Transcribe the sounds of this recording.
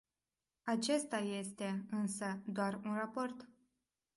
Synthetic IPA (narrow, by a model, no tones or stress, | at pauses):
at͡ʃe̞st̪aje̞st̪e̞ɨnsəd̪oarunrapo̞rt̪